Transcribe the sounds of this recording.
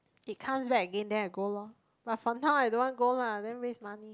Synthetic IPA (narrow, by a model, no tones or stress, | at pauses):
it̚kʰãmsbɛkəɡɛ̃ndɛaɡolɔ | b̥atfɔnaʊaɪdõwɔ̃nɡoladɛ̃nɹesmani